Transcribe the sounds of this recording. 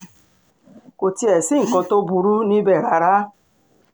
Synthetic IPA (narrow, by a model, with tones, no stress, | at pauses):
ko˨ti˦e˨si˦ŋ̩˨kɔ˧to˦bu˨ɾu˦ni˦be˦˨ɾa˨ɾa˦